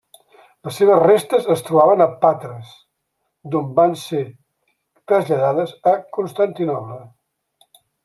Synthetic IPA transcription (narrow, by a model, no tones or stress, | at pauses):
ləsːeβ̞əzrest̪əzəst̪ɾuβaβənəpat̪ɾəs | d̪ombanse | t̪ɾəzʎəðaðəzəkunst̪ənt̪inɔplə